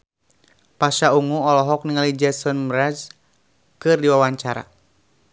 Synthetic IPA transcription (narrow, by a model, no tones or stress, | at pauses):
paʃauŋuɔlɔɦɔk̚niŋalid͡ʒɛsɔnmɾad͡ʒ | kɨrdiwawaɲt͡ʃaɾa̰